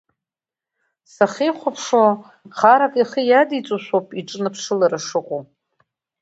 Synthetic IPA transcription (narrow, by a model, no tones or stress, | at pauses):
saχiχʷapʰʂo | qʰaɾakʼiχijadit͡sʼuʃʷowpʼiʈ͡ʂʼnɨpʰʂɨlaɾaʂɨqʷʼo